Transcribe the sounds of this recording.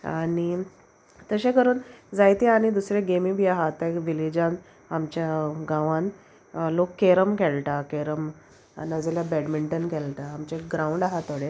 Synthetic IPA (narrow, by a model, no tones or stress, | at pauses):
a̰ɽ̃i | t̪əɕẽkəɾuːnd͡zajt̪eaɽ̃id̪usɾeɡemibʱiːaɦat̪ːaʋilid͡ʑãn | amt͡ɕjaɡãʋãn | lokːeɾəmkɛlʈakeɾəm | nad͡zeljabɛɖmiɳʈənkɛlt̪aːmt͡ɕeɡɾauɳɖaɦat̪ːoɽe